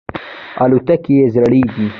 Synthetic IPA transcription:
alut̪akijezɾaɽid̪i

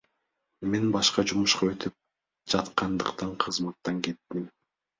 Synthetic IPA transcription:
me̞nbɑʃqɑd͡ʒumuʃqɑøt̪yp̚ | d͡ʒɑt̪qɑnd̪ɯqt̪ɑɴqʰɯzmɑt̪ːɑŋke̞t̪ːim

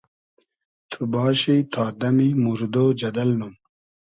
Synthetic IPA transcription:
t̪ʰubɑːɕit̪ʰaːd̪ɐmimuɾd̪od͡ʑɐd̪ɐlnun

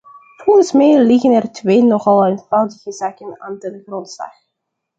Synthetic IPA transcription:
foɣənsmɛjlɪɣənɛrtʋeːnɔχɑlˠənfɛlˠdəɣəzaːkəna̰ːntədəxrɔntslɑ̰x

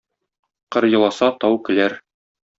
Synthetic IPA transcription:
qɤɾjɤ̆lˠɑsɑt̪ɑwkɘ̆læɾ

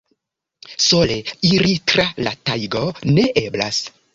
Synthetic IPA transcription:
so̞leiɾitɾalatajɡone̞ʔebla̰s

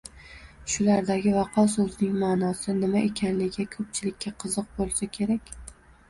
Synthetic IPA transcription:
ʃʊlaɾd̪aɡʲɪvɑqʰɒsɵzɪnɪŋmaːnɒsɪnɪmaʔe̞kʲʰanlɪɡʲakʰɵp̚t͡ʃʰɪlɪkʲːaqʰɨzɨq̚bolˠsakʲʰe̞ɾakʲ

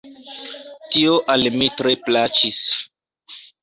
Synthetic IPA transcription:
tioʔalmitɾe̞plat͡ʃis

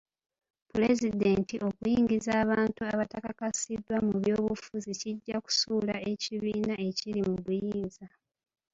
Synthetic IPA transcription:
pule̞zide̞ːntiʔo̞kujiːɲɟizaːβaːntuaβatakakasidːwamuβjo̞ːβufuziciɟːaku̥suːlae̞ciβiːnae̞cilimuβujiːnza

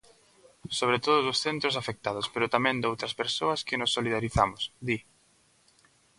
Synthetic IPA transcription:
soβ̞ɾet̪oðʊzðʊsθent̪ɾʊsafek̚t̪aðʊspeɾʊt̪amɛ̃nd̪owt̪ɾɐspeɾsoɐskɪnʊsːoliðaɾiθamʊsd̪i

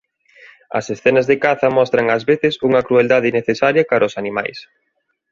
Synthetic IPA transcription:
ɐ̰sesθɛnɐzðekaθɐmɔst̪ɾɐŋɐzβeθɪsuŋɐkɾueld̪að̞ɪineθesaɾjɐkaɾʔɐʊsanima̰js

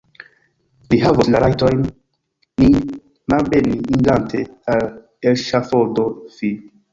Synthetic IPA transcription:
liɦavoslaɾajtojnː | i | malbeniːŋɡantʰeal | elʃafodofi

